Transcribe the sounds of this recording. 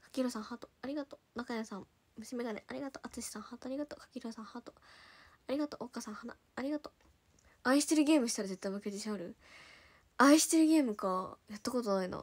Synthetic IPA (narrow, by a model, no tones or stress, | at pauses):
kḁkʲiɾosãɰ̃hat̪oaɾʲiɡat̪onakajasãm | mɯ̟ɕimed̪anḛʔaɾʲiɡat̪oʔat͡sɨɕi̥sãɰ̃hat̪oaɾʲiɡat̪okḁkʲiɾosãɰ̃hat̪oaɾʲiɡat̪oʔokasãɰ̃hanaːɾʲiɡat̪o | aiɕi̥t̪e̞ɾɯ̟ɡʲe̞ːmɯ̟ɕi̥t̪aɾaze̞t̪ːaĩmɯked͡ʑiɕaoɾɯ̟ | aiɕi̥t̪eɾɯ̟ɡʲe̞ːmɯ̟kajat̪ːako̞t̪o̞naino̰